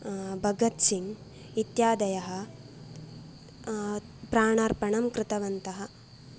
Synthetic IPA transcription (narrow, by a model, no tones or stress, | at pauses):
bʱɐɡɐt̪siŋ | it̪jaːd̪ɐjɐɦɐ̆ | pɾaːɳaɾpɐɳɐmkɾɪt̪ɐʋɐnt̪ɐɦɐ̆